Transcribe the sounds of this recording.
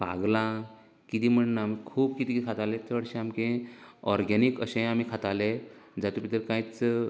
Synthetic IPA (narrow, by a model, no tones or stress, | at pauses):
pa̰ɡlã | kit̪im̤əɳnaːmikʰuːb̚kit̪ik̪ikʰat̪alẽt͡səɽɕẽamkẽɔɾɡanikəɕẽamikʰat̪aled͡zat̪upit̪əɾkãit͡s